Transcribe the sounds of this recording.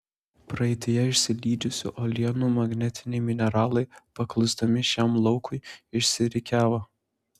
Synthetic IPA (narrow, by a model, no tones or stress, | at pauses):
pɾɐɪt̪ʲɪjɛɪʃʲsʲɪlʲiːd͡ʒʲʊsʲʊ̰ʔɔlʲijɛnuːmɐɡnʲɛt̪ʲɪnʲɛɪmʲɪnʲɛɾɑːlˠɐɪpɐklˠʊsd̪ɐmʲɪʃʲɛmlˠɒʊkʰʊɪɪʃʲsʲɪɾʲɪkʲæːʋoː